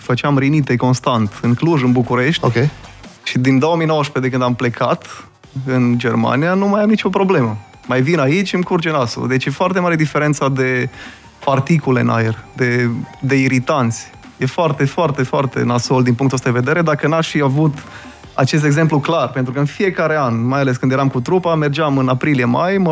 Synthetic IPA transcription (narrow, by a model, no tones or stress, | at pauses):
fət͡ʃɪamɾinit̪e̞ko̞nst̪ant̪ɨŋkluʒɨnbukuɾe̞ʃt̪okʲeʃid̪ind̪oomijnowəsped̪ekɨnd̪ample̞kʰat̪ | ɨnd͡ʒe̞rma̰nijanumajamnit͡ʃo̞pɾo̞ble̞mə | majvinait͡ʃʲɨmkurd͡ʒenaso̰d̪e̞t͡ʃjefoart̪e̞maɾe̞d̪ife̞ɾe̞nt̪sad̪e̞ | part̪ikule̞̰nʔa̰jerd̪e̞d̪e̞iɾit̪ant̪sʲ | je̞foart̪e̞foart̪e̞foart̪e̞̰nasold̪inpuŋk̪t̪uost̪ad̪eved̪e̞ɾe̞d̪akənaʃfiavut̪ | a̰t͡ʃe̞s̬t̪eɡze̞mpluklarpe̞nt̪ɾukəɨnfije̞kaɾe̞anmajale̞s̬kɨnd̪jeɾamkut̪ɾupame̞rd͡ʒamɨnapɾilijemajmə